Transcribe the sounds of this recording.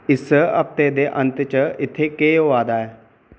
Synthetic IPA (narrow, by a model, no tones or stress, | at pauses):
ɪsəɐp̚t̪eːd̪eʔɐ̃nt̪ət͡ʃəɪt̪ʰekeːoʋaːd̪aːe